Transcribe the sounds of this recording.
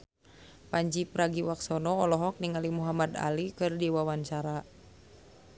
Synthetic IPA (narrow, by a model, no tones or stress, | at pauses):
paɲd͡ʒipɾaɡiwaksɔnɔɔlɔɦɔk̚niŋalimuɦamada̰likɨrdiwawaɲt͡ʃaɾa